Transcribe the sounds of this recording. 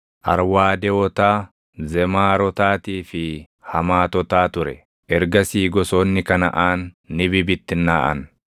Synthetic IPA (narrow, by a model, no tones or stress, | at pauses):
ʔɐɾwaːd̪ɛwɔt̪aː | zɛmaːɾɔt̪aːt̪iːfɪ | hɐmaːt̪ɔt̪aːt̪ʊɾɛ | ʔɛɾɡɐsiːɡɔsoːnːɪkɐnɐ̰ʔaːnː | ɪbɪbɪt̪ːɪnːaːʔɐ̰n